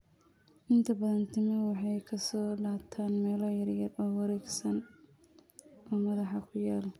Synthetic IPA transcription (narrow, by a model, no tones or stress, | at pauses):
ʔɪnt̪ʰɐbɐðɐnt̪ʰɪmɪwɑħɑjkʰɐsɔːlaːt̪ʰaːnmɛːlɔjɐrjɐrɔːwɑɾɛːɡsɐn | ɔːmɐðɑħɑkʰʊjaːl